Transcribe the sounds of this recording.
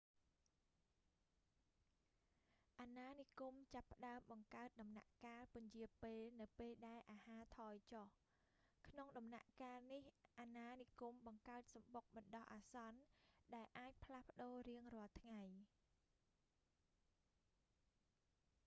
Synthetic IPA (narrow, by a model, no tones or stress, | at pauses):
ʔaːnaːnikumt͡ɕapːə̆ɗaəmɓɑŋkaət̪̚ɗɑmna̰ʔkaːlpʊ̆ɲjiəpeːlnɨwpeːlɗaɛlʔaːhaːt̪ʰɑːjt͡ɕoh | kʰnoŋɗɑmna̰ʔkaːlnihʔaːnaːnikumɓɑŋkaət̪̚sɑmɓok̚ɓɑnɗɑhʔaːsɑnɗaɛlʔaːc̚pʰlahpə̆ɗoːriəŋrɔ̆əlt̪ʰŋaj